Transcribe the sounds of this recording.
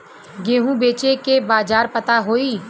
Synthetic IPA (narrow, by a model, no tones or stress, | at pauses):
ɡeːɦũbeːt͡ʃekebaːd͡ʒaːɾpət̪aɦoːiː